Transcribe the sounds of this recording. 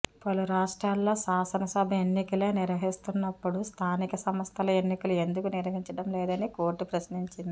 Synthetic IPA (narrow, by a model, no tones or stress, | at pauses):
pɐluɾaːʂʈɾaːlːo̞ːʃaːsɐnɐsɐbʱɐenːikɐleːniɾʋɐɦist̪unːɐpːuɽust̪ʰaːnikɐsɐmɐst̪ʰɐlɐe̞nːikɐlue̞nd̪ukuniɾʋɐɦiɲt͡ʃɐɽɐmlɛːd̪ɐnikoːɾʈupɾɐʃniɲt͡ʃind̪i